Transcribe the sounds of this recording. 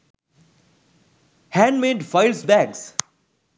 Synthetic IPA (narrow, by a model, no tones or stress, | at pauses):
hæ̃ːnɖmẽːɖfaɪlsbæɡs